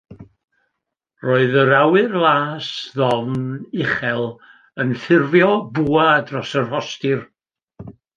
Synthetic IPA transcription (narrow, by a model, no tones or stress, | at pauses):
roːɨðəɾawɨrlˠaːsðɔvnɪχɛlˠ | ənθɪrvjɔbuːaadrɔsərhɔstɪr